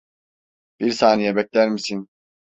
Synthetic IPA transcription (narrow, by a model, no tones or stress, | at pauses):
b̥iɾsaːnijɛbɛclʲæɾmisin